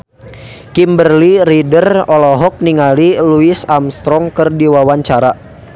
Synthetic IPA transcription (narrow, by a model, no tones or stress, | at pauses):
kimbərliridərɔlɔɦɔk̚niŋaliluisamst̪ɾɔŋkərdiwawaɲt͡ʃaɾa